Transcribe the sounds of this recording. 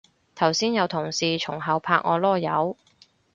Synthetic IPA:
t̪ʰɐ˨˩wsiː˥njɐ˨˧wt̪ʰʊ˨˩ŋsiː˨t͡ʃʰʊ˨˩ŋɦɐ˨˧wpʰa̰ː˧˥k̚ŋʔɔː˨˧lɔː˥˩jɐ˨˥w

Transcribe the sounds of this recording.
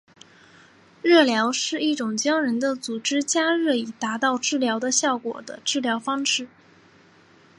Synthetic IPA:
ɻɤ˥˩ljɑ˧˥ʊʂɻ̩˥˧i˥˩ʈ͡ʂʊ˨˩ŋt͡ɕjɑ˥ŋɻə˧˥nd̪ə˧t͡su˨˩ʈ͡ʂɻ̩˥t͡ɕja˥ɻɤ˥˩i˨˩t̪a˧˥t̪ɑ˥˧ʊʈ͡ʂɻ̩˥˩ljɑ˧˥ʊd̪ə˧ɕjɑ˥˩ʊkwɔ̰˨˩d̪ə̰˦ʈ͡ʂɻ̩˥˩ljɑ˧˥ʊfɑ˥ŋʈ͡ʂɻ̩˥˩

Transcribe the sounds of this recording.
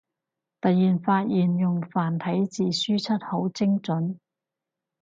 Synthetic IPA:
t̪ɐ˨jːiː˨˩nfaː˧t̚jiː˨njʊ˨ŋfaː˨˩nt̪ʰɐ˨˥jt͡siː˨syː˥t͡sʰɐ˥t̚ho˨˥wt͡sɪ˥ŋt͡sɵ˨˥n

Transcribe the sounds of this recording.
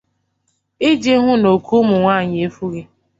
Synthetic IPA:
ɪ˦d͡ʒe˦ɦʊ˦no˨kʰu˦mʊ˨ŋʷaː˦˨ɲɪ˨e˦fu˦ɣe˦

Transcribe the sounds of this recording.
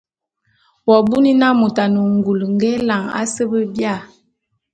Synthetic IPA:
wɔ˨bu˦ni˦na˦mu˨ta˨nə˨ŋɡu˨lŋɡe˦la˨ŋa̰˦sə˦bə˦bja˦˨

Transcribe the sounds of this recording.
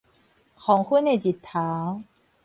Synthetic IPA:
kʰɔː˩˦ŋkʰu˥˩˨nːa˧˩jt͡ɕi˨˩t̪ʰːaː˩˦w

